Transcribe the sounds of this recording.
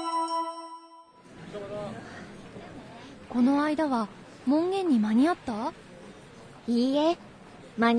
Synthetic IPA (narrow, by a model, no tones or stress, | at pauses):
ko̞no̞aid̪aβa | mõ̞ŋɡẽ̞ɲ̟ːimaɲ̟iat̪ːa | iːe | maɲ